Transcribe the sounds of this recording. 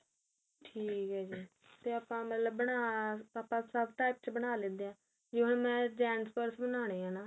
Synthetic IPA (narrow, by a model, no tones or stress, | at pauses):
ʈʰiːkɦɛːd͡ʒiː | t̪eːaːpãːmət̪ləbːəɽaːapãːsəbʈaːɪp̚t͡ʃbəɽaːleːd̪eãː | d͡ʒeːɦʊɳmɛ̃ːd͡ʒɛːnspəɾsbənaːɽ̃eːãːnaː